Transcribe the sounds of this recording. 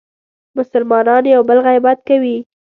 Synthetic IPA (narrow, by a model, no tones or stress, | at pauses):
mʊsʊlmɑnɑnjawbəlɣajbat̪̚kawi